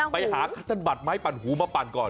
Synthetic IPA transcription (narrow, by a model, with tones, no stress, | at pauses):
pa˧jhaː˨˦kʰa˦˥t̪ʰːa˧nba˨˩t̪̚maː˦˥˩jpa˨˧˩nɦuː˨˩˦maː˧pa˨˧nkɔː˨˩